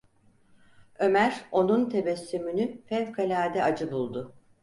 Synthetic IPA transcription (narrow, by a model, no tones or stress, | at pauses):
ø̞mæɾo̞nunt̪ʰe̞bɛsːymynyfɛlkʰalʲaːd̪ɛad͡ʒɯbulˠd̪ʊ